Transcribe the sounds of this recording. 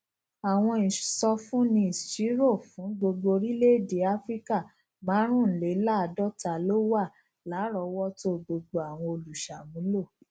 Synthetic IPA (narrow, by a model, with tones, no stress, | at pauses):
a˨w̃ɔ̃˧ĩ˨sɔ˧fũ˦nĩ˧˦i˨ti˨˦ɾo˦˨fũ˨˦ɡ͡bo˧ɡ͡bo˧ɾi˦le˦˨de˨˦a˦fɾi˦ka˦˨ | mãː˨˦ɾ̃ũ˦˨n̩˨le˨˦la˦˨dɔ˦ta˨lo˦wa˦˨ | la˨˦ɾɔ˨˧wɔ˦to˦ɡ͡bo˧ɡ͡bo˧a˨w̃ɔ̃˧o˧lu˨ʃa˨mũ˨˦lo˦˨